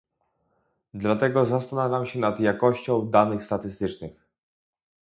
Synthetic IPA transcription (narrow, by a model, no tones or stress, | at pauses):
d̪lat̪ɛɡɔzast̪anavʲjamɕɛnad̪jakɔɕt͡ɕɔ̃w̃d̪anɘxst̪at̪ɘst̪ɘt͡ʂnɘx